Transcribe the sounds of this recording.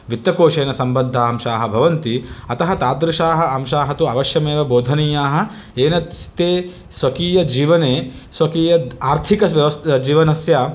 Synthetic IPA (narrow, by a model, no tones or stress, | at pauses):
ʋit̪ːɐkoːʃeːnɐsɐmbɐd̪ʱːaːmʃaːɦɐbʱɐʋɐnt̪iɐt̪ɐɦɐt̪aːd̪ɾɪʃaːɦɐ̆ɐmʃaːɦɐt̪uɐʋɐʃjɐmeːʋɐboːd̪ʱɐniːjaːɦɐ̆ | eːnɐt̪st̪eː | sʋɐkiːjɐd͡ʒiːʋɐneː | sʋɐkiːjɐaːɾt̪ʰikɐʋɐʋɐsd͡ʒiːʋɐnɐsjaː